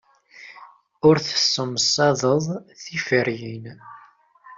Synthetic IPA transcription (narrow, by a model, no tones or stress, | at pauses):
ʊɾθə̥sːəmsˤɑðˤəðˤθifəɾjin